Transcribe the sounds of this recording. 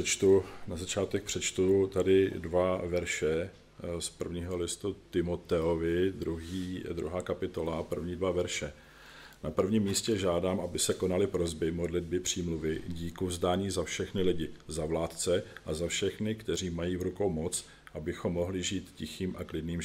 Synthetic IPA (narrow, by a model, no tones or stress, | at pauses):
ɛt͡ʃt̪unazat͡ʃaːt̪ɛk̚pr̥ɛt͡ʃt̪ut̪adɪdvavɛɾʃɛ | spr̩vɲiːɦo̞lɪst̪ut̪ɪmot̪ɛovɪd̪ɾuɦiːd̪ɾṵɦaːkapɪt̪o̞lapr̩vɲiːdvavɛɾʃɛ | napr̩vɲiːmːiːscɛʒaːdaːmʔabɪsɛko̞nalɪpɾo̞zbɪmo̞dlɪd̚bɪpr̝̥iːmluvɪɟiːkuvzdaːɲiːzafʃɛxnɪlɪɟɪzavlaːt̪t͡sɛʔazafʃɛxnɪkt̪ɛriːmajiːvɾuko̞wmo̞t͡s | ʔabɪxo̞mːo̞ɦlɪʒiːt̪cɪxiːmʔaklɪdniːm